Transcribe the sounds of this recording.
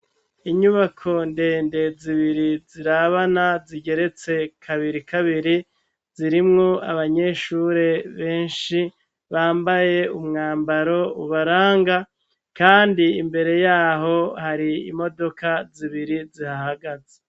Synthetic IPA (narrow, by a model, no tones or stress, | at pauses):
iɲuβakʰo̞nde̞ːnde̞ziβiɾiziɾaβanaziɟe̞ɾe̞t͡se̞kʰaβiɾikaβiɾi | ziɾimŋo̞a̰βaɲe̞ʃuɾe̞βe̞ːnʃi | βaːmbaje̞umŋaːmbaɾo̞uβaɾaːŋɡa | kaːndiimbe̞ɾe̞jaːɦo̞haɾiḭmo̞do̞kaziβiɾizihahaɡaze̥